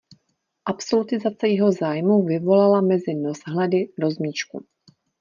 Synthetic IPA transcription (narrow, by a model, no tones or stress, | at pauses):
ʔapso̞lut̪ɪzat͡sɛjɛɦo̞zaːjmuvɪvo̞lalamɛzɪno̞zɦlɛdɪdo̞zmiːt͡ʃkṵ